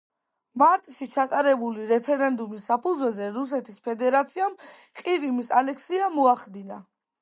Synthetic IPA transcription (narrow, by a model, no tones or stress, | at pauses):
maɾt̪ʼʃit͡ʃʰat̪ʼaɾɛbuliɾɛpʰɛɾɛnd̪umisːapʰud̪zwɛzɛɾus̬ɛt̪ʰispʰɛd̪ɛɾat̪sʰiam | qʼiɾimisalɛkʰsiamɔaχd̪ina